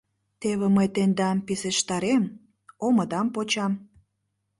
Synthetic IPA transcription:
t̪eβeməjt̪end̪ɑmpiseʃt̪ɑɾem | oməd̪ɑmpot͡ɕɑm

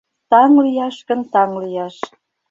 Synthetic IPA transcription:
t̪ɑŋlijɑʃkə̆nt̪ɑŋlijɑʃ

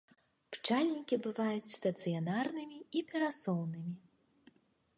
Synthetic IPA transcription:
pt͡ʂalʲnʲikʲibɨvajut͡sʲst̪ɐt̪sɨjanarnɨmʲiipʲɛɾasɔwnɨmʲi

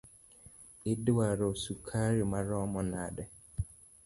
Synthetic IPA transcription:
ɪdɪwaɾɔsukʰaɾimaɾɔmɔnadɛ

